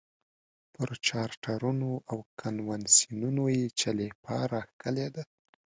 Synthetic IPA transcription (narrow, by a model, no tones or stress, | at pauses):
pəɾt͡ʃɑɾʈaɾunoʔawkʰanwansinunojet͡ʃalepʰɑɾaxkəled̪a